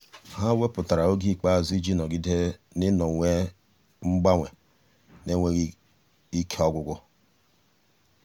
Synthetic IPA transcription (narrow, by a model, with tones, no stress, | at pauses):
ha˦we˦pʊ˨ta˨ɾa˨o˦ɡi˦˨k͡pa˦˨zi˦d͡ʒi˦nɔ˨ɡi˦de˦ | nɪ˦nɔ˨ŋʷe˦ | ŋ͡m̩˦ɡ͡ba˦ŋʷe˨ | ne˦ŋʷe˦ | i˦kʰe˦ɔ˦ɡʷʊ˦ɡʷʊ˦